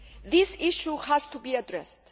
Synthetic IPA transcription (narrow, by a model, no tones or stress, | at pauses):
ðisiʃuhaz̥t̪ʰubiadɾɛst